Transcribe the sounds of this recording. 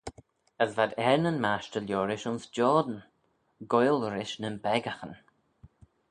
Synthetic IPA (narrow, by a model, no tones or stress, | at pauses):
əsvad̪ɛɹnənmaʃtəlʲjɔːɹɪʃʊnsd͡ʒɔːd̪ən | ɡɔjlˠəɾɪʃnənbɛɡaxən